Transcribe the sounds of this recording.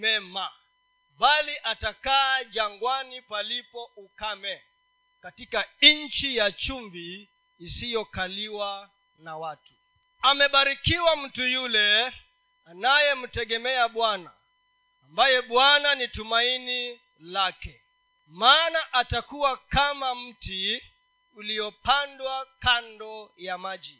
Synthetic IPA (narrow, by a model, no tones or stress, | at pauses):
mɛma | baliʔatakaːʄaŋɡwanipalipɔukamɛ | katikaɲ̩t͡ʃijat͡ʃumbiː | sijɔkaliwa | nawatu̥ | amɛɓaɾikiwam̩tujulɛ | anajɛm̩tɛɠɛmɛaɓwana̰ː | mbajɛɓwananitumaini | lakɛ | maːnaʔatakuwakamam̩ti | ulijɔpandwakandɔjamaʄi